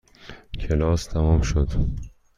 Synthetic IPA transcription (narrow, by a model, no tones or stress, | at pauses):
kʰelɒːst̪ʰæmɒmʃod̪